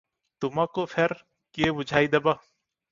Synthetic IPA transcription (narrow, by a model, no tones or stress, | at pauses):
t̪ʊmãːkoːpʰeɾ | keːbʊd͡ʒʱaːiːd̪ɐbaː